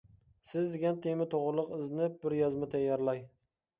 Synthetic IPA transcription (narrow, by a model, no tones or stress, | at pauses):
sɪzd̪ɪɡʲant̪ʰemɪt̪ʰoʁlˠʊqɪznɪp̚bɪɾjɒzmɪt̪ʰajːɑɾlaj